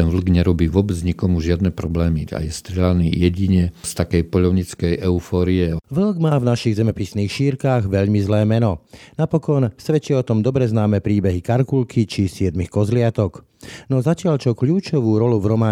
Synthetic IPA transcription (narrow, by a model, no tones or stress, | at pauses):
t̪ɛnʋl̩ɡɲɛɾɔbiːʋʊɔbɛd͡zɲikɔmuʒɪad̪nɛpɾɔblɛːmia̰jɛst̪ɾɪɛlaniːjɛɟiɲɛst̪akɛjpɔʎɔʊɲit͡skɛjʔɛufɔːɾiɛʋl̩ɡmaːvnaʃiɣzɛmɛpisniːxʃiːɾkaːɣʋɛʎmizlɛːmɛnɔnapɔkɔnsʋɛt͡ʃɪɛɔt̪ɔmd̪ɔbɾɛznaːmɛpɾiːbɛɦikaɾkulkʰit͡ʃisɪɛd̪mixkɔzlɪat̪ɔk | nɔzacɪaʎt͡ʃɔkʎuːt͡ʃɔʋuːɾɔluvɾɔmaː